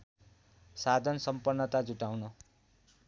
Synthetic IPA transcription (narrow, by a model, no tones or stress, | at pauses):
sad̪ʱʌnsʌmpʌnːʌt̪ad͡zuʈawnʌ